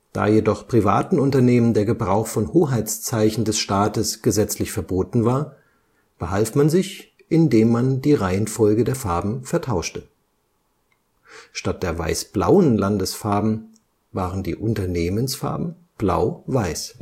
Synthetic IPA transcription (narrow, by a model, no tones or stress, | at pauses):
d̥a̰ːjedɔχpʁ̥iva̰ːtn̩ʊntɐneːməndeːɐɡəbʁaʊxfɔnhoːɦaɪt͡st͡saɪçn̩dɛsʃtaːtəsɡ̥əzɛt͡slɪçfɛɐboːtn̩vaːɐ | b̥əhalfmanzɪç | ʔɪndeːmːandiːʁaɪənfɔlɡədeːɐfaɐbm̩fɛɐtʰaʊʃtə | ʃtat̚d̥eːɐva̰ɪsb̥la̰ʊənlandəsfaɐbm̩ | vaːʁəndḭːʔʊntɐneːmənsfa̰ɐbm̩ | b̥la̰ʊvaɪs